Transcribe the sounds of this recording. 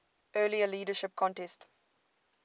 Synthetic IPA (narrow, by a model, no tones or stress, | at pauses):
ʔɜːliəliːdəʃɪp̚kʰɔ̃ntɛst